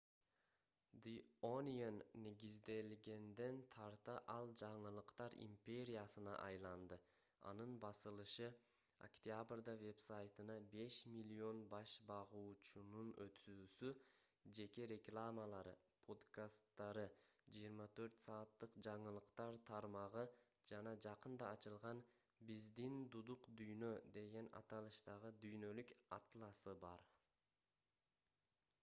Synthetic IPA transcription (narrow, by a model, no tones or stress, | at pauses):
d̪ionʲijanːeɡʲizd̪e̞lɡʲe̞nd̪e̞nt̪ʰɑɾt̪ɑʔɑlˠd͡ʒɑɴɯlˠɯqt̪ɑɾḭmpʲe̞ɾʲijasɯnɑ̰ʔɑjlˠɑnd̪ɯ | ɑ̰nɯnbɑsɯlˠɯʃɯ | o̰kt̪ʲjabrd̪ɑve̞psajt̪ɯnɑbe̞ʃmʲilʲio̞nbɑʃbɑʁuːt͡ʃununø̞t̪ʰyːsy | d͡ʒe̞ke̞ɾʲe̞klˠamalˠɑɾɯ̰ | pʰo̞d̪kast̪ːɑɾɯd͡ʒijiɾmɑt̪ʰø̞ɾt̪sɑːt̪ːɯqd͡ʒɑɴɯlˠɯqt̪ɑɾt̪ʰɑɾmɑʁɯd͡ʒɑnɑd͡ʒɑqɯnd̪ɑːt͡ʃɯlˠʁɑn | bizd̪ind̪ud̪uqd̪yjnø̞d̪e̞ɡe̞nɑ̰t̪ɑlˠɯʃt̪ɑʁɯd̪yjnø̞lykɑ̰t̪lˠɑsɯbɑ̰ɾ